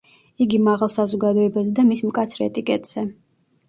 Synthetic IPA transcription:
iɡimaʁalˠsazɔɡad̪ɔɛbazɛd̪amismkʼat̪sʰɾɛ̰t̪ʼikʼɛt̪ʼz̥ɛ

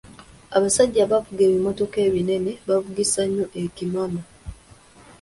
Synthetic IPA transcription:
aβasaɟːaβavuɡe̞ːβimo̞to̞ke̞ːβine̞ne̞βavuɡisaɲːoʔecimama

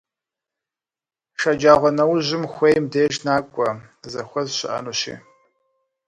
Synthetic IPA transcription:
ʃɐd͡ʒaːʁʷɔnɐwʑɪmxʷejmdeːʒnaːkʷʼɐ | zɐxʷɔzɕɪʔɐ̰nuɕḭː

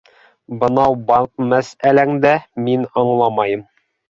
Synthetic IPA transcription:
bɤ̆nɑwbɑmæsælæŋd̪æminɑɴlˠɑmɑjɤm

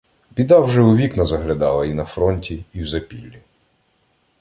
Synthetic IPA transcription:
bʲid̪ɑwʒɛʊʋʲiknɐzɐɦlʲɐd̪ɑlˠɐinɐfɾɔnʲtʲiːwzɐpʲilʲːi

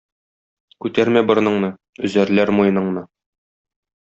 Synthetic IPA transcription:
kʉt̪æɾmæbɤ̆ɾ̆nɤ̆ɴnɤ | ɵ̆zæɾlæɾmujɤ̆nɤ̆ɴnɤ

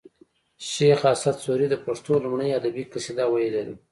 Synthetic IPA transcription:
ʃexasat̪soɾid̪əpaʂt̪olumɳəjad̪abikəsid̪ɑwajeled̪e

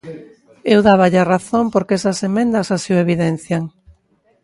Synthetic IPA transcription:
ewðaβ̞aʎaraθompoɾkesasemẽnd̪ɐsasiʊeβiðen̟θjaŋ

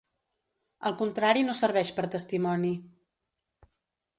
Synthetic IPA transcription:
əlˠkunt̪ɾaɾinosəɾβɛʃpəɾt̪əst̪imɔni

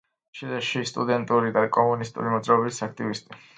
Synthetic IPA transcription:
ʃid̪ɛʃist̪ʼṵd̪ɛnt̪ʼuɾid̪akʼɔmunist̪ʼṵɾimɔd̪zɾaɔbit̪sakʰt̪ʼivist̪ʼi

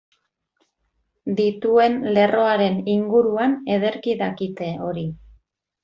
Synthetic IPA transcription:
d̪it̪ue̞nle̞ro̞aɾe̞niŋɡuɾuane̞ð̞e̞ɾkiðakit̪e̞o̞ɾi

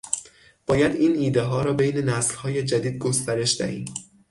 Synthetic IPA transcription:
b̥ɒːjæd̪iːniːd̪eɦɒːɾɒːbejne̞næslhɒːje̞d͡ʒæd̪iːd̪̚ɡost̪æɾe̞ʃd̪æ̰hḭːm

